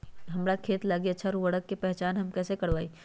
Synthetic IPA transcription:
ɦɐmɾakʰeːt̪laːɡiɐtːʃʰaɾuʋɐɽəkːepɛɦt͡ʃaːnɦɐmkɛːsekɐɽʋaːiː

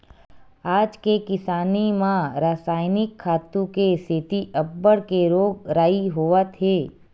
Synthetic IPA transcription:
aːd͡ʒkekɪsaːnimãɾaːsaːɪnɪkʰːaːt̪ũkeset̪iʔɐbːəɽkeɾoːɡɾaːiɦoːət̪ɦeː

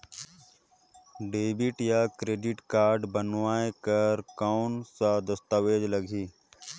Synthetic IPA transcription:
ɖeːbɪʈjakɾeːɖɪʈkaːɾɖbənʋaːekəɾkaʊnsad̪ɐst̪aʋeːd͡ʒlɐɡʱiː

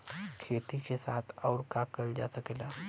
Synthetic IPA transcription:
kʰet̪it͡ɕesat̪ʰawɾkakəld͡ʑasəkela

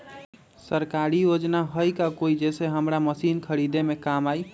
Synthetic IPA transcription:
səɾkaɾijod͡ʒnaɦəjkakoid͡ʒeseɦəmɾaməsinkʰəɾid̪emekamaj

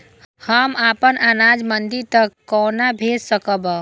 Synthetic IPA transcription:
həmaːpənanaːd͡ʒmənd̪iɾt̪əkːɔːnabʱeːd͡ʒsəkəbə

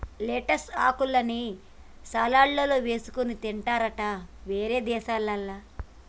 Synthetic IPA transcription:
leːʈɐsa̰ːkulɐni | saːlaːɭːɐlo̞ːʋe̞ːsu̥kunit̪iɳʈaːɾɐʈaʋe̞ːɾe̞ːd̪ɛːʃaːlːɐlːaː

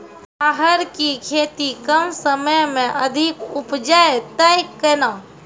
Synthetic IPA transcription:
aɦəɾkikʰet̪ikəmsəməjmẽʔəd̪ʱikupd͡ʒaet̪əjkːəna

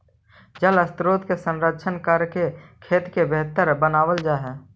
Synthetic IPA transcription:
d͡ʒələst̪ɾoːt̪kesə̃nɾəːʃʰənkəɾkekʰeːt̪kebeɦt̪əɾbənaːwəld͡ʒaːɦɛː

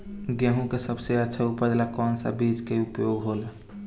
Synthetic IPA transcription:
ɡjəɦũkesəbseətːʃʰaupəd̪lakɔːnsə̰bid͡ʒkeupjoɡɦolə

